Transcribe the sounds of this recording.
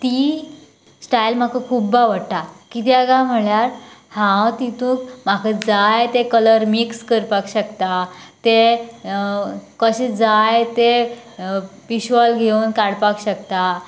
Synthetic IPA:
t̪i | sʈajlm̤akəkʰubːaʋəɽʈ̪akit̪jaɡãm̤əɭjaɾhãt̪it̪ũːkm̤akəd͡zajt̪ekələɾmikskəɾpakɕəkt̪at̪e | kəɕed͡zajt̪e | piɕʋɔlɡʱewnkaɽpakɕəkt̪a

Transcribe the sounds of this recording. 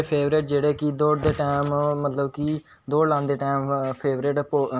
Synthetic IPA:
pʰeːʋɾeːʈd͡ʒeːɽeːkid̪oːɽd̪eːʈaːmːət̪ləbki | d̪oːɽlãːnd̪eːʈaːmpʰeːʋɾeːʈpo

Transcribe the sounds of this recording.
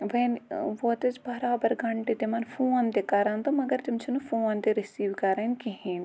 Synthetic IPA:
ʋɐnʋot̪ɐt͡ʃbɐɾaːbɐɾɡʱɐɳʈet̪emɐnfʰoːnt̪ekɐɾaːnt̪ɐmɐɡɐɾt̪imt͡ʃʰinufʰoːnt̪eɾisiːʋkɐɾankiɦẽːn

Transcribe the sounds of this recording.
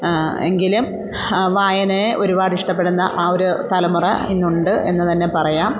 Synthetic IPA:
e̞̰ŋɡilum | ʋaːjɐneʔo̞ɾubaːɽiʂʈɐpːe̞ɽunːɐʔaːo̞ɾut̪ɐlɐmurɐ̰inːuɳɖɨe̞nːɨt̪ɐnːe̞pɐrɐjaːm

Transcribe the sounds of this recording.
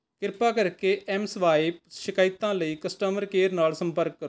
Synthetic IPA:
kɪɾpaːkəɾkeːʔɛːmsʋaːɪpʃɪkaːɪt̪ːãːləiːkəsʈəːməɾkeːɾnaːlsə̃mpəɾkːəɾ

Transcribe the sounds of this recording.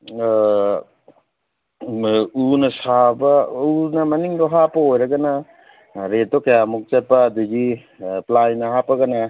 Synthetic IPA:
unɐsabɐunɐmɐniŋbɐɦapɐojɾɐɡɐnɐ | ɾet̚dokɐjamuk̚t͡ʃɐt̚pɐːduɡi | plajnɐhapɐɡɐnɐ

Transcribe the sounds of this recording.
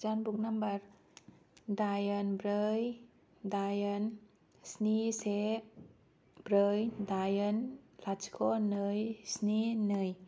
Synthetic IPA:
t͡ʃanbuk̚nambaɾ | dajənbɾəj | d̪ajən | snise | bɾəjdajənlat͡ʃkʰonəjsninəj

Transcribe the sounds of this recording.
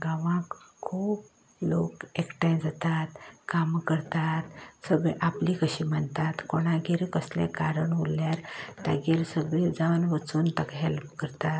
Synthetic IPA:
ɡaʋãkkʰːuːb | lokekʈãjd͡zat̪at̪kamkəɾt̪at̪səɡʔaplikəɕiːməɳt̪at̪koɽ̃aɡiɾkəslḛ̃kaɾəɳʋuljaɾt̪a̰ɡiɾsəɡɭid͡zawnʋət͡suːnt̪əkɦelpkəɾt̪at̪

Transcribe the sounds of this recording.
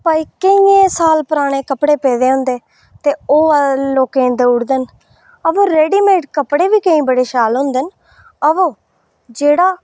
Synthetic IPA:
pəiːkəĩẽːsaːlpəɾaːɽ̃eːkəpɽeːpeːd̪eːɦʊ̃nd̪eː | t̪eːoːloːkẽːnd̪eːʊɽd̪ən | əʋõːɾeːɖiːmeːʈkəpɽeːʋiːkəĩːbəɽeːʃaːlɦʊ̃nd̪ən | əʋõː | d͡ʒeːɽaː

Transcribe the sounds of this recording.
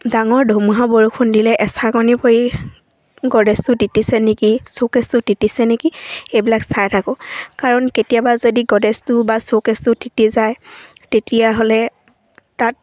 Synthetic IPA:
daŋɔɹdʱomuɦaboɹukʰundilɛʔɛsakɡɔnipʰoji | ɡɔdɛstʊtitisɛnekisokestʊditisɛnekiejbilaksajtʰakɔkaɹɔnketijabazodiɡɔdɛstʊbasokestʊditizaj | tetijaɦolɛ | tat̚

